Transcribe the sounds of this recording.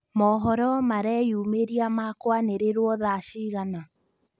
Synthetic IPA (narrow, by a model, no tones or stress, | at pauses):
mɔɦɔɾɔmaɾɛjumeɾiamakwaneɾeɾwɔðaʃiːɣana